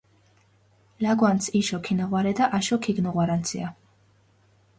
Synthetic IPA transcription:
laɡwant̪sʰiʃɔkʰinaʁwaɾɛd̪aʔaʃɔkʰiɡnɔʁwaɾant̪sʰḭa

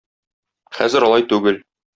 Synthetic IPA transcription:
χæ̰zɘɾɒlˠɑjt̪ʉɡɘl

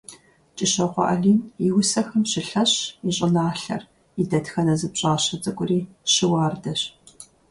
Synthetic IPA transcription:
t͡ʃʼɪɕɐqʷɔ̰ʔɐ̰ɮiːniwʊsɐxɐmɕɪɬɐɕiɕʼɪnaːɬɐ̰r | idɐtxɐnɐzɨpɕʼaːɕɐt͡sʼɨkʷʼʊriːɕɪwɑːrdɐɕ

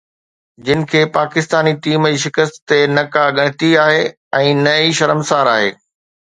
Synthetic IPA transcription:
d͡ʑɪnɪ̆kʰeːpaːkɪst̪aːnit̪iːmd͡ʑiʃ̬ɪkəst̪t̪enɐkaɠɐ̃ɽ̃ɪt̪iaːɦeː | ɛ̃ːnɐiʃɐɾəmsaːɾaːɦeː

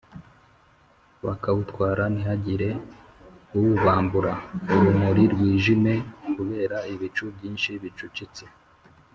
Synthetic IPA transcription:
βakawutkwaːɾaniɦaɟiɾe̞ | uwuβaːmbuɾauɾumuɾiɾwiːʒime̞kuβe̞ːɾaiβit͡ʃubɟiːnʃiβit͡ʃut͡ʃit͡se

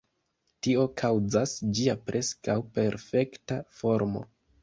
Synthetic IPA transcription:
tio̞kʰawd͡zasd͡ʒiapɾʔe̞skawpe̞ɾfe̞ktafo̞ɾmo̞̰

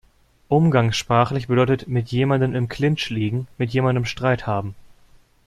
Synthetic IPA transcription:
ʔʊmɡaŋsʃpʁ̥aːχlɪçb̥ədɔʏtətmɪtʰjeːmandənɪmkʰl̥ɪnt͡ʃliːɡŋ̩mɪtjeːmandəmʃtʁ̥aɪthaːbm̩

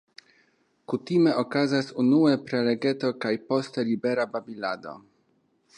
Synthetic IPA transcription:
kutime̞ʔokazasunue̞pɾe̞le̞ɡe̞t̪o̞kajpo̞st̪elibe̞ɾababilad̪o̞̰

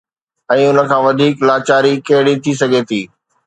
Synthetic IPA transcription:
ɛ̃ːʊnə̆kʰãːʋɐd̪ʱiːklaːt͡ɕaːɾikɐɦɪɽit̪ʰisɐɡʱet̪ʰiː

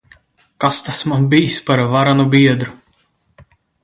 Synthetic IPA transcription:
kast̪asmanbijspaɾvaɾanubiɛd̪ɾu

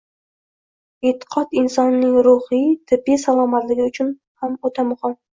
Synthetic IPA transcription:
et̪ʰːɪ̥qʰɒt̪ɪnsɒnːɪŋɾʊhit̪ʰɪbːisalˠɒmat̪lɪɡʲɪʊt͡ʃʰʊn | hamot̪ʰamʊχɑn

